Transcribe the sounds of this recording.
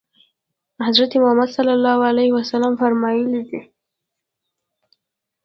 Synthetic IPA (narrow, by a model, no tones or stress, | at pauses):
hazɾat̪emʊhamad̪salːalːɑhalahwasalamfaɾmɑjəlid̪i